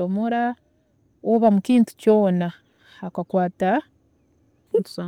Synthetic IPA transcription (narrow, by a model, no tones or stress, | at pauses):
omoɾa | oβamukiːntu̥co̞ːna | hakakwaːta | ntu̥sa